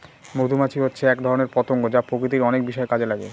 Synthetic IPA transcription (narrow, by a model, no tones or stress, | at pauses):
mod̪ʱumat͡ɕʰiɦotːɕʰeɛkd̪ʱɔɾoneɾpɔt̪oŋɡod͡ʑapɾokɾit̪iɾɔnek̚biʃɔekad͡ʑelaɡḛ